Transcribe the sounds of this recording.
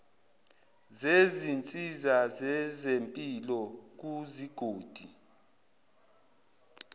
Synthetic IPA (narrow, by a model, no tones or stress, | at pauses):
zezint͡sʼizazɛzempʼilɔk̬uziɡ̥ʱoːd̥ʱi